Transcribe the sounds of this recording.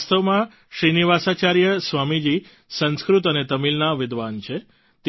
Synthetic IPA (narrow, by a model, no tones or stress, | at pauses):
st̪əʋmã | ʃɾiniʋasat͡ʃaɾjəsʋamid͡ʒi | sə̃nskɾut̪ənet̪əmilnaʋɪd̪ʋant͡ʃʰe | t̪